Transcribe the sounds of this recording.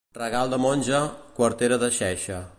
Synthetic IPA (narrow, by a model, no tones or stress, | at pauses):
rəɣalˠd̪əmonʲʒəkwəɾt̪eɾəðəʃɛʃə